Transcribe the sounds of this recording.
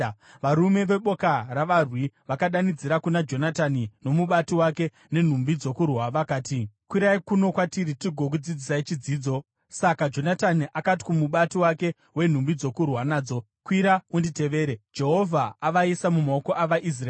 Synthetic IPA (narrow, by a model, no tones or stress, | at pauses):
ʋaɾume̞ʋe̞ɓo̞kaɾaʋarwiʋakaɗanid͡ziɾakunad͡ʒo̞natanino̞muɓatiwake̞ | ne̞n̤umbid͡zo̞kurwaʋakaːtikwiɾaikuno̞kwatiɾitiɡʱo̞k̬ud͡zid͡zisait͡ʃid͡ziːd͡zo̞ | sakad͡ʒo̞nataniʔakat̬i̥kumuɓatiwake̞ | we̞n̤umbid͡zokurwanaːd͡zo̞ | kwiɾaundite̞ʋe̞ːɾed͡ʒe̞ɦo̞vʱaːʋaisamumao̞ko̞ʔaʋaʔis̬raː